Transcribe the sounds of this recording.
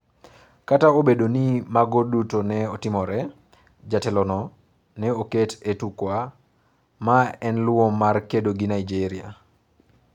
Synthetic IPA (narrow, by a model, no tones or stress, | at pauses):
kataobedonimaɡodutonɛɔtɪmɔɾɛ | d͡ʒatɛlɔnɔ | nɛoketʰetukwa | maɛnlʊomarkedoɡinaid͡ʒeɾia̰